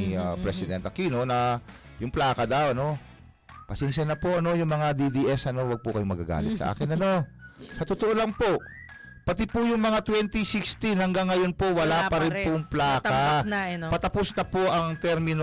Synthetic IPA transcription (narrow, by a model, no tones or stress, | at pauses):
ɐpɾɛsɪd̪ɛnt̪ɐkino̞nɐ | jʊŋplaːkɐd̪ɐwʔɐno̞ | pɐsɛnʃɐnɐpo̞ʔɐno̞jʊŋmɐŋad̪id̪iʔɛsʔɐno̞wɐɡ̚pʊkɐjomɐɡaɡa̰ːlɪt̪sɐʔa̰ːkɪnɐno̞sɐt̪ot̪oʔolɐŋpo̞ʔ | pɐt̪ɪpʊjʊŋmɐŋat̪wɛnt̪isɪkst̪inhɐŋɡaŋːɐjo̞npo̞wɐlapɐɾɪpoŋplaːkɐpɐt̪ɐpʊsnɐpo̞ʔɐŋt̪ɛɾmɪno